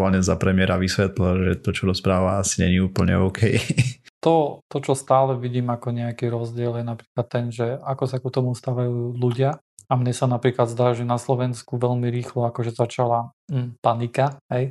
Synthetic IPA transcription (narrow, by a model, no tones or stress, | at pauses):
alɲɛzapɾɛmɪɛɾaʋisʋɛt̪lilʒɛt̪ɔt͡ʃɔɾɔspɾaːʋaasiɲɛɲiuːpl̩ɲɛ̰ɔʊkʰɛjt̪ɔt̪ɔt͡ʃɔst̪aːlɛʋiɟiːmakɔɲɛakiɾɔzɟɪɛljɛnapɾiːklat̪ːɛnʒɛakɔsakut̪ɔmust̪aːʋajuuːluɟɪa | amɲɛsanapɾiːklad̪zd̪aːʒɛnaslɔʋɛnskuʋɛlmiɾiːxlɔakɔʒɛzat͡ʃalapanikaɦɛj